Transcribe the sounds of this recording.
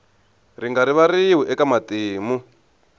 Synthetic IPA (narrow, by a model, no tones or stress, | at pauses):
riŋɡaɾiβaɾiɦuʔɛkamatiːmu